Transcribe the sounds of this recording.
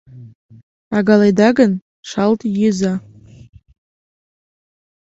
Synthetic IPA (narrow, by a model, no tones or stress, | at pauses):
aɡalajdaɡan | ʂaltʼjɪza